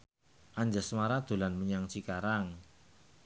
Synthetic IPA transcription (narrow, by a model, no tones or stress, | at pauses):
ʔaɲd͡ʒasəmaɾad̪̥o̤lanməɲaŋt͡ʃikaɾaŋ